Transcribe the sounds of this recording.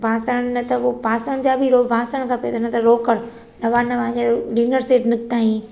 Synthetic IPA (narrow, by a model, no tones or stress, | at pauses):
bʱaːsəɽ̃nɐt̪ɐopaːsəɽ̃d͡ʑaːbʱiɾoːbʱãːsəɽ̃kʰãpet̪ɐnɐt̪ɐɾoːkəɽ | nɐʋaːnɐpɐ̃ɦɪ̃ɲd͡ʑeliːnəɾseːʈnɪk̚t̪aːĩː